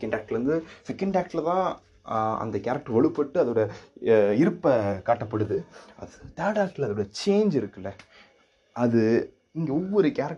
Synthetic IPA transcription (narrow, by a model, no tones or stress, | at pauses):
kːɐɳɖaːk̚ʈːɾɯnd̪ɯsɪkːɐɳɖaːk̚ʈlɐt̪ãː | ɐ̰nd̪ɐkaɾɐk̚ʈːɯʋɐɭɯpːɐʈːɯɐðoːɽɐ | ɪɾɯpːɐkaːʈːɐpːɐɽɯðɯɐ̰ðɯt̪aːɽaːk̚ʈːɪlɐðoːɽɐt͡ʃeːnd͡ʒɪɾɯkːɯlːɐ | ɐðɯ | ɪŋɡeɔʋːɔɾɯkaɾɐk̚